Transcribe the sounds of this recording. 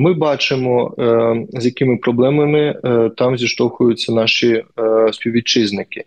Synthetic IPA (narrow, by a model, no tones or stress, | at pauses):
mɪbɑt͡ʃɪmɔ | zʲjɐkɪmɪpɾɔblˠɛmɐmɪt̪ɑmzʲiʃt̪ɔxʊjʊt͡sʲːɐnɑʃispʲiwʋʲit͡ʃɪznɪkɪ̥